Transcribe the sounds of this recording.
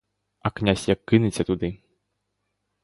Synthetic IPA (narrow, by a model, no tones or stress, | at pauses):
ɐknʲasʲjɐkːɨnɨt͡sʲɐt̪ud̪ɨ